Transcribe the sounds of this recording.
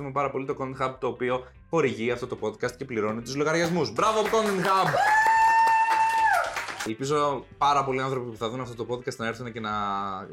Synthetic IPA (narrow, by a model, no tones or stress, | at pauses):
umepɐɾɐpo̞lit̪o̞kond̪nxɐb̚t̪o̞ːpio̞ | xo̞ɾiʝiɐft̪o̞t̪o̞po̞d̪kɐst̪̚ce̞pliɾo̞nit̪uzloɣɐɾʝɐzmuzbɾɐvoɐpkonenxɐb | elpizo̞pɐɾɐpo̞liɐnθɾo̞pipuθɐðunɐft̪o̞t̪opo̞d̪kɐst̪nɐeɾθunece̞nɐ